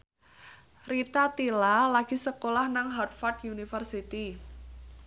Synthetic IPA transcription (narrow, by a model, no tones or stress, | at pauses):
rit̪at̪ilalaɡ̥i̤səkolahnaŋɦɔrt̪fart̪unifərsit̪i